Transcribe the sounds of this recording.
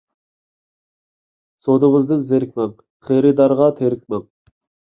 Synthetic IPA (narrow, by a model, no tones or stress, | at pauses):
sod̪ɨŋɨzd̪ɨŋzeɾɪk̚ʲmɛŋ | χeɾɨd̪ɑɾʁɑt̪ʰeɾɪk̚ʲmɛŋ